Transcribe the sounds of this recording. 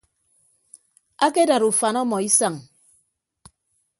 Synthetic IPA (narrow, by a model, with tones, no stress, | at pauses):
a˦ke˦da˨ɾu˨fa˨nɔ˦mɔ˨i˦sa˦˨ŋ